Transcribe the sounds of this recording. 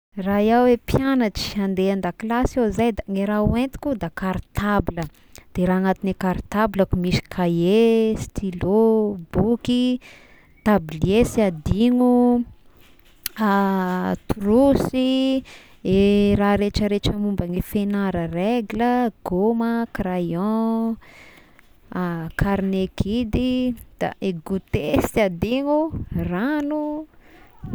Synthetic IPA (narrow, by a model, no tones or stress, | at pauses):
rajawepjanaʈ͡ʂi̥and̪eand̪aklasazajd̪aŋeɾauent̪i̥kʲud̪akaɾit̪ʰabilə | d̪̥eɾaːaŋat̪inekaɾit̪abiləkumisi̥kʰajest̪ʰilobuki | t̪ablesiad̪iŋu | t̪uɾusi | eɾaɾeʈ͡ʂəɾet͡ʃəmumbaŋifenaɾəreɡiləɡ̥oməkrajɔ̃ | kʰaɾnekid̪id̪̥a̰ʔeɡut̪esiad̪iŋuranu